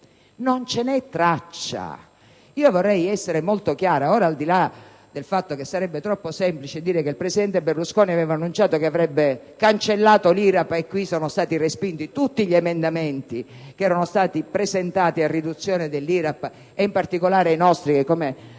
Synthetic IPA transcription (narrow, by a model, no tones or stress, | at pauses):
nont͡ʃenɛt̪ːɾat͡ʃːa̰ | iːovorːɛjɛsːeɾemolt̪ok̟jaːɾaoːɾaːld̪ila | d̪elfat̪ːok̟esːaɾɛbːet̪ɾɔpːosɛmplit͡ʃed̪iːɾekeilpɾesid̪ɛnt̪eberluskoːniavɛːvanːunt͡ʃaːt̪okeavɾɛbːe | kant͡ʃelːaːt̪oliɾapːekːwisɔːnost̪aːt̪irespint̪it̪ut̪ːiʎiemend̪ament̪i | kɛːɾanost̪aːt̪ipɾezent̪aːt̪iarːid̪ut̪sːjɔːned̪elːiɾapː | eimpart̪ikolaːɾeajnɔst̪ɾikekːome